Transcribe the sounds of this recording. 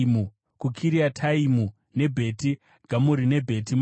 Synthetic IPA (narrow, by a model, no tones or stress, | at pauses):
mu | kukʰiɾiatʰaimu | ne̞bʱe̞ti | ɡ̥ʱamuɾine̞bʱe̞tim